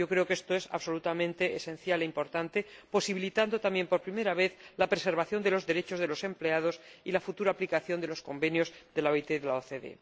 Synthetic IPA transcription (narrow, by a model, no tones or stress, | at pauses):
o̞kɾeoke̞st̪oe̞sa̰βso̞lut̪amẽnt̪eːsẽ̞n̟θjaleimpo̞ɾt̪ant̪e̞po̞siβilit̪and̪ot̪amje̞mpoɾpɾime̞ɾaβe̞θlapɾe̞se̞ɾβaθjo̞nd̪e̞lo̞zðe̞ɾet͡ʃo̞zðe̞lo̞se̞mple̞að̞osilafut̪uɾaːplikaθjo̞nd̪elo̞sko̞mbe̞njo̞zðe̞laoit̪eðelaoθeðe̞̰